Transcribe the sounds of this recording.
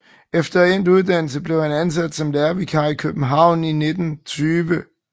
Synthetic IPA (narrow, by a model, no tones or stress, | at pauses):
efd̥ɐen̰d̥uð̞ˠd̥æn̰l̩səb̥le̝ʊhænæns̬æd̥sɒ̽mlæɐʋikʰɑ̈ikʰøb̥n̩ɦɑ̈ʊ̰nine̝d̥n̩t͡sʰyːʋə